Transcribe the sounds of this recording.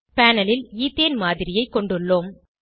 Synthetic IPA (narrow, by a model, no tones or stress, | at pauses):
paːnɐlɪliːt̪eːnmaːðɪɾɪjɐɪkːɔɳɖɯɭːoːm